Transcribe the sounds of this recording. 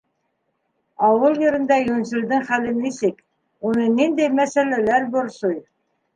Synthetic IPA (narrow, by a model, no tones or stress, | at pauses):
ɑwɤlˠjɤ̆ɾɤ̆nd̪ɑjɵ̆nsɵ̆ld̪ɘŋχælɘnisɘk | unɤnind̪æjmæsælælæɾbŏɾsoj